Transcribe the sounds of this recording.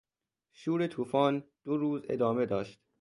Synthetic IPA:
ʃuːɾet̪ʰuːfɒːnd̪̥oɾuːze̞̰d̪ɒːme̞d̪ɒːʃt̪

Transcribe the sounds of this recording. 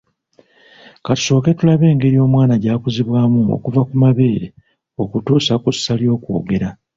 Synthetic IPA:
katu̥so̞ːke̞tulaβe̞ːŋɡe̞ɾio̞ːmwaːnaɟaːkuziβwaːmuo̞̰kuvakumaβe̞ːɾe̞ | o̞kutuːsakusːaljo̞ːkwo̰ːɡe̞ɾa

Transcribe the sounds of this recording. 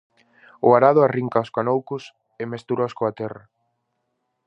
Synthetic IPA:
ʊaɾaðʊariŋkaoskanowkʊs | emest̪uɾoskoat̪ɛrɐ

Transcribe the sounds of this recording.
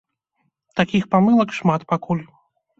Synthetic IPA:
t̪akʲixpamɨlˠɐkʂmat̪pakulʲ

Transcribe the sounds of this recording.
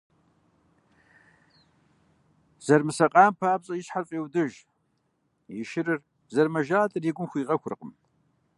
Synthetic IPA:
z̥ɐrmɨsɐqʼaːmpʰaːpɕʼɐjɪɕħarfʼeːwdɨʒ | jɪʃɪɾɨr | zɐrmɐʒaːtʼɨriːɡʷʊmxʷiːʁɐxʷʊrɨqʼə̰m

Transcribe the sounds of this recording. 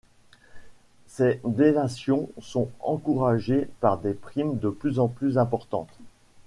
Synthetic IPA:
sed̪enasjɔ̃sɔ̃ɑ̃kuʁaʒepaʁd̪epχimd̪əplyzɑ̃plyzɛ̃pɔʁt̪ɑ̰̃t̪

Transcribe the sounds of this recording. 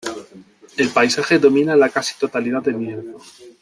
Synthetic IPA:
e̞lpajsaxe̞ðo̞mĩnalakasi̥t̪o̞t̪alið̞ad̪elmjeɾðo

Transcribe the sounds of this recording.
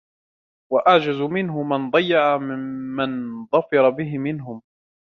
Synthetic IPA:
waʔaʕd͡ʒazmɪnɦʊmand̪ˤɑjːɑʕamɪmːanðˤɑfɑɾˤɑbɪɦɪmɪnɦʊm

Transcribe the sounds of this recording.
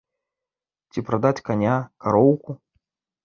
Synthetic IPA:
t͡sʲipɾad̪at͡sʲkanʲakaɾɔwku

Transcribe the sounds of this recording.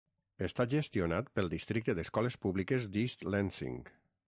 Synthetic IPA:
əst̪aʒəst̪ionat̪pəlˠd̪ist̪ɾik̚t̪əðəskɔlespuβlikəzd̪ist̪lɛnsḭŋ

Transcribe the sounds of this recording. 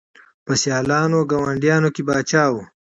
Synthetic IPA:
pəsjɑːlɑːnoɡawaɳɖjɑːnokebaːt͡ʃaːwu

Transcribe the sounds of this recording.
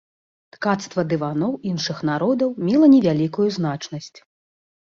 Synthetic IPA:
t̪kat̪st̪vɐd̪ɨvanɔwinʂɨxnaɾɔd̪ɐwmʲɛlˠɐnʲɛvʲalʲikujuznat͡ʂnɐsʲt͡sʲ

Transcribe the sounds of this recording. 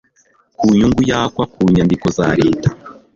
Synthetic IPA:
kuːɲuŋɡujaːkwakuːɲandiko̞zaɾe̞ːtḁ

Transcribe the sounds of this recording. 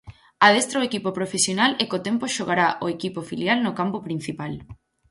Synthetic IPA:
að̞est̪ɾaoekipopɾofesjonalekot̪empoʃoɣaɾaʔoekipofiljalnokampopɾin̟θipal

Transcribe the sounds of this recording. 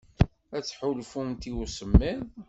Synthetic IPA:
æt͡sːħʊlfumt̪iusəmːið

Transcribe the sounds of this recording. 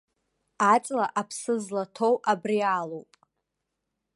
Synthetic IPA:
at͡sʼlaʔapʰsɨzlatʰo̞wʔabriaːlowpʼ

